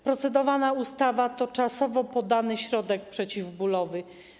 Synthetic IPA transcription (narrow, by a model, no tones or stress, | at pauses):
pɾɔt̪sɛd̪ɔvanaust̪avat̪ɔt͡ʂasɔvɔpɔd̪anɘɕɾɔd̪ɛkpʂɛt͡ɕivbulɔvɘ